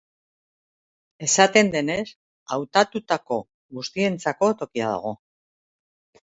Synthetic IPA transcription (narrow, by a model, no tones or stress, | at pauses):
e̞sat̪e̞nd̪e̞ne̞s | awt̪at̪ut̪ako̞ | ɣust̪ie̞nt͡sako̞t̪o̞kia̰ð̞o̰ɣ̞o̞